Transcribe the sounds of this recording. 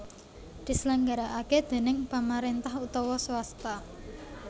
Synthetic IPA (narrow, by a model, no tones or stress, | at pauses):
d̪̥i̤səlaŋɡaɾaʔaked̪̥e̤nɪŋpamaɾent̪ahut̪ɔwɔswast̪a